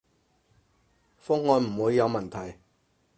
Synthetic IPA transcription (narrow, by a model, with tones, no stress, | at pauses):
fʊ˥ŋhɔː˨˧nm̩˨˩huː˨˧˥jːɐ˨˧wmɐ˨˩nt̪ʰɐ˨˩j